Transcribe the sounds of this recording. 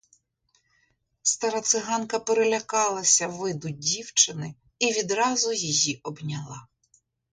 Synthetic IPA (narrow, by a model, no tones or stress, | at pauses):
st̪ɐɾɐt̪sɪɦɑnkɐpeɾelʲɐkɑlˠɐsʲɐʋɪd̪ʊdʲiwt͡ʃɪnɪ | iʋʲid̪ɾɑzʊjijiʔɔbnʲɐlˠɑ̰